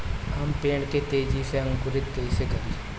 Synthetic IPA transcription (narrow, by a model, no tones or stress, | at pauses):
ɦɐmpeːɳket̪eːd͡ʒiseɐ̃ŋɡʊɾit̪ːeːsekɐɾi